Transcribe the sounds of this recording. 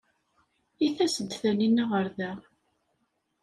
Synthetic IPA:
iθæsəd̪θæninːaʁəɾðæ

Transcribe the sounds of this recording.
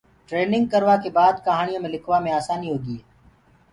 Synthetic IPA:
ʈɾeːnɪŋɡ̚kəɾʋaːkeːbaːd̪kəɦaːɳɪjõːmẽːlɪkʰʋaːmẽːaːsaːniːɦoːɡiːeː

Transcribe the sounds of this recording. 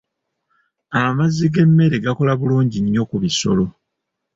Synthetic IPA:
amazːiɡe̞mːe̞ɾeɡako̞laβuluːɲɟiɲːo̞kuβiso̞̰lo̞

